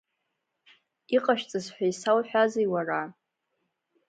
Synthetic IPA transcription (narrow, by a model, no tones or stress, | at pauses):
iqʼaʃᶣt͡sʼɨzħʷᶣajsawħʷᶣazejwara